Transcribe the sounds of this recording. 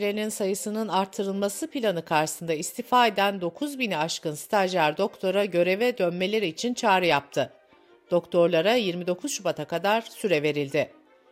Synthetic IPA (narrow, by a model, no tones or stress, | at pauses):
lʲeninsajɯsɯnɯnaɾt̪ʰːɯɾɯlˠmasɯpilʲanɯkʰaɾʃɯ̥sɯnd̪aist̪ʰifaːe̞d̪ænd̪o̞kʰuzbiniaʃkɯnst̪ʰaʒæɾd̪o̞kt̪ʰo̞ɾaɟø̞ɾe̞vɛd̪ønme̞lʲe̞ɾiːt͡ʃʰint͡ʃʰaːɾɯjap̚t̪ʰɯ | d̪̥o̞kt̪ʰo̞ɾlˠaɾajiɾmid̪o̞kʰuzʃubat̪ʰakad̪aɾsyɾɛve̞ɾilʲd̪ɪ